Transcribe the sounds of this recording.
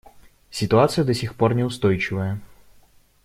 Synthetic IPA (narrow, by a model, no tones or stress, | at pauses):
sʲɪt̪ʊat̪sɨjud̪ɔsʲixpɔrnʲɛʊst̪ɔjt͡ʃɪʋɐjɛ